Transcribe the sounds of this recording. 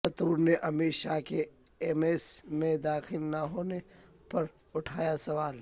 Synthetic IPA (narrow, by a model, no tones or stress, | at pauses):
ɐt̪uːɾneʔɐmiːʃaːke | eːmeːsmẽd̪aːxɪlnɐɦoːne | pɐɾ | ʊʈʰaːjasɐʋaːl